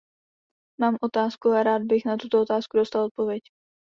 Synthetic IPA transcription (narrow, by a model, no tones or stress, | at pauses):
maːmʔo̞t̪aːskuaɾaːd̪̚bɪxnat̪ut̪oot̪aːskudo̞st̪alˠʔot̪̚po̞vjɛc